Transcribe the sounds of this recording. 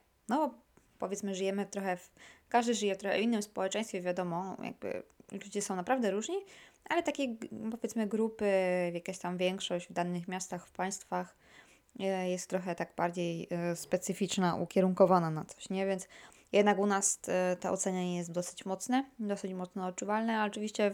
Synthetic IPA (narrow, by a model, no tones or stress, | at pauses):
nɔ | pɔvʲjɛt̪smɘʐɨjɛmɘt̪ɾɔxɛfkaʐd̪ɘʐɘjɛft̪ɾɔxɛʔɔ̰inːɘmspɔwɛt͡ʂɛ̃j̃st̪fʲɛvʲjad̪ɔmɔja̰ɡ̚bɘ̰lud͡ʑɛsɔ̃w̃napɾavd̪ɛɾuʐɲiʔalɛt̪akʲejpɔvʲjɛt̪smɘɡɾupɘvjakʲaɕt̪amvʲjɛŋkʂɔʑd͡ʑvd̪anɘxmʲjast̪axfpaj̃st̪fax | jɛst̪ːɾɔxɛt̪aɡ̚baɾd͡ʑejspɛt̪sɘfʲit͡ʂnaʔṵkʲɛɾuŋkɔvananat̪sɔ̥ɕɲɛvʲjɛnt̪s | jɛd̪nakunast̪ɛ̰ʔɔ̰t̪sɛɲaɲɛjɛst̪d̪ɔsɘ̥t͡ɕmɔt̪snɛd̪ɔsɘt͡ɕmɔt̪snɔːt̚t͡ʂuvalnɛaɔt͡ʂɨvʲiɕt͡ɕɛ